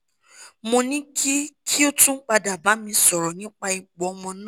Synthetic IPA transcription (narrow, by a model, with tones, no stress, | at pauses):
mo˧nĩ˦ki˦kʰi˦o˦tũ˦k͡pa˧da˨ba˨˦mĩ˧sɔ˨ɾɔ˨nĩ˨˦k͡pa˧i˨k͡pɔ˨˦˧mɔ̃˧n˦˨